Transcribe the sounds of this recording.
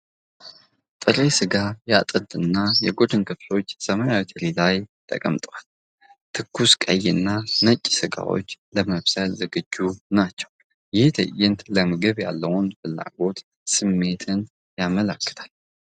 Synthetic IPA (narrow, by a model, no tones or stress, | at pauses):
t̪ʼɨɾesɨɡajat̪ʼɨd̪ɨnːajɛɡodɨnkʰɨflo̞t͡ʃːsəmajawet̪ʰəɾilajt̪ʼə̰kʼəmt̪ʼwal | t̪ʰɨkːuskʼə̰jːɪnːanət͡ʃʼːsɨɡa̰wo̞̰t͡ʃːləməβsajazəɡɨd͡ʒːunat͡ʃːɛw | jɪht̪ʰə̰jɪnt̪ləməɡɨβja̰lːəwʊnfɨlːa̰ɡo̞t̪ | sɨmːe̞t̪ʰɨn | jamələkːɨ̥t̪ʰal